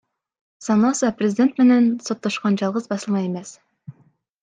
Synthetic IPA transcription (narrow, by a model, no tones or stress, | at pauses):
sɑnɑsɑprʲezʲidʲe̞nt̪menensot̪ːoʃqɑnd͡ʒɑlˠʁəzbɑsɤlˠmɑjemes